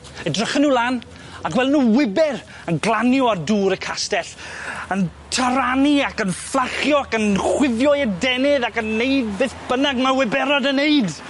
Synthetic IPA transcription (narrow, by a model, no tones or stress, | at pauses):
ədrəχənuːlˠaːn | akwɛlˠnuːwɪbɪr | ənɡlˠanjɔarduːɾəkʰastɛɬəntʰəɾaniakənflˠaχjɔakənχwɪðjɔɛdɛnɪðakənːeɨdbeːθb̥ənaɡmawɪbɛɾɔdəneɨd